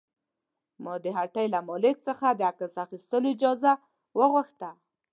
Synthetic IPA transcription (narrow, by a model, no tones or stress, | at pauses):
mɑd̪əɦaʈajlamɑlɪk̚t͡səxad̪əakəsaxist̪əloid͡ʒɑza | wəɣʊxt̪a